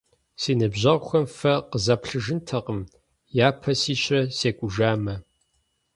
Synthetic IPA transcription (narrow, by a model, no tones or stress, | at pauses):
siːnɨbʑɐʁʷxʷɐmfɐqəzɐpɬɨʒɨntʰɐqəm | jaːpʰɐsiːɕʷʼɐseːkʷʼʊʒaːmɐ